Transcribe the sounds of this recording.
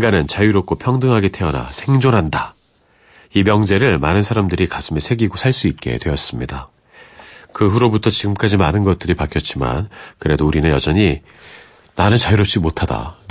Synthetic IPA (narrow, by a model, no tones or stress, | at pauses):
inɡanɯnt͡ɕajuɾop̚k͈opʰjʌŋdɯŋɦaɡetʰe̞ʌna̰sʰe̞ŋd͡ʑonɦanda | imjʌŋd͡ʑe̞ɾɯɭmanɯnsʰaɾamdɯɾikasʰɯmesʰe̞ɡiɡosʰaɭs͈uit̚k͈e̞̰dwe̞ʌs͈ɯmɲida | kɯɸuɾobutʰʌt͡ɕiɡɯmk͈ad͡ʑimanɯnɡʌt̚t͈ɯɾipakʰjʌt̚t͡ɕ͈ima̰nkɯɾe̞douɾinɯnjʌd͡ʑʌɲi | nanɯnt͡ɕajuɾʌp̚t͡ɕ͈imotʰada̰